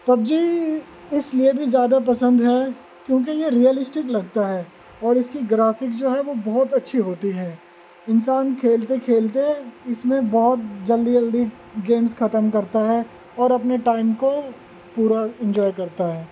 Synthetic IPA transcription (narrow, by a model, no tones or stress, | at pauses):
t̪ɐb̚d͡ʒiː | ɪsliebʱizjaːd̪ap̬ɐsə̃nd̪ɦɛ | kjõːk̬ejeɾiəlɪsʈɪklɐɡ̚t̪aɦɛː | ɔːɾɪskiɡɾaːfɪkd͡ʒoːɦɛʋobɔɦt̪ɐtːʃʰiɦoːt̪iɦɛ̃ː | ɪnsaːnkʰeːlt̪ekʰeːlt̪eɪsmẽbɔːɦt̪̚d͡ʒɐld̪id͡ʒɐld̪i | ɡeːmsxɐt̪əmkɐɾt̪aɦɛ | ɔːɾɐpneʈaːɪmko | puːɾaɪ̃nd͡ʒɔːjkɐɾt̪aɦɛː